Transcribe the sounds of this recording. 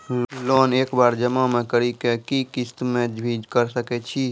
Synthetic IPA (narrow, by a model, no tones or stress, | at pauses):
lonekbaɾd͡ʒəmamekəɾikekikist̪mẽd͡ʒbʱid͡ʒkəɾsəkɛt͡ʃʰi